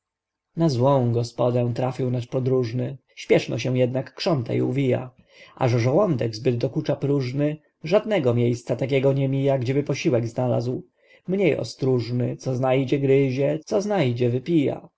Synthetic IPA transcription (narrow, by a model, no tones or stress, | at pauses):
nazwɔ̃w̃ɡɔspɔd̪ɛ̃t̪ɾafʲiwnaʃpɔd̪ɾuʐnɘ | ɕpʲjɛʂnɔ̰ɕ̬ɛw̃jɛd̪nakːʂɔnt̪a̰ḭuvʲija̰ | ʔa̰ʐɛʐɔwɔnd̪ɛɡzbɘd̪d̪ɔkut͡ʂapɾuʐnɘ | ʐad̪nɛɡɔmʲjejst̪sat̪ak̬ʲɛɡɔɲɛmʲijaɡd͡ʑɛbɘpɔɕiwɛɡznala̰zw | mɲejɔ̰st̪ɾuʐnɘt̪sɔznajd͡ʑɛɡɾɘʑɛt̪sɔznajd͡ʑɛvɘpʲija̰